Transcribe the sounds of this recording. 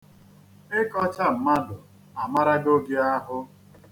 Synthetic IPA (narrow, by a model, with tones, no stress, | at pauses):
ɪ˦kɔ˦t͡ʃa˦m̩˨ma˦dʊ˨ | a˨ma˦ɾa˦ɡo˦ɡe˦a˦ɦʊ˦